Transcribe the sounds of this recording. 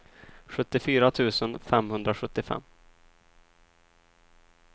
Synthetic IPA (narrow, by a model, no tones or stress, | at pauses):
ɧɵt̪ːɪfyːɾat̪ʰʉ̟ːsənfɛmhɵnd̪ɾaɧɵt̪ːɪfɛ̰mː